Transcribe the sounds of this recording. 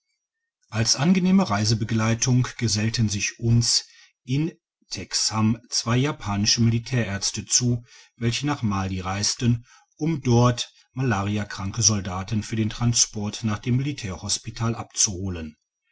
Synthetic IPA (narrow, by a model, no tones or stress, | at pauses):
ʔalsʔanɡəneːməʁaɪzəbəɡlaɪtʰʊŋɡ̥əzɛltənzɪçʔʊns | ʔɪn | tʰɛkshamt͡sv̥aɪjaːpʰaːnɪʃəmilitʰɛːɐʔɛɐt͡stət͡suː | vɛlçənaːχmaːliʁaɪstən | ʔʊmdɔɐt | malaːʁiakʁ̥aŋkəzɔldaːtən̩fyːɐdeːntʁ̥anspɔɐtnaːχd̥eːmːilitʰɛːɐhɔspitʰaːlʔapt͡suhoːlən